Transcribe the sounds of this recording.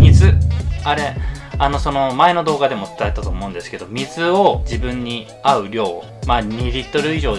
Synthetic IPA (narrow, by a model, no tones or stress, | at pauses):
mʲizɨaɾe̞ano̞so̞no̞mae̞no̞d̪o̞ːɡad̪e̞mo̞t͡sɨ̥t̪aet̪ːat̪o̞ːmo̞ɯ̟̃nd̪e̞sɨ̥ke̞d̪o̞mʲizɨo̞d͡ʑibɯ̟̃ɲ̟ːi | aɯ̟ɾʲo̞ː | maːɲiɾʲit̪ːo̞ɾɯ̟iʑo̞ː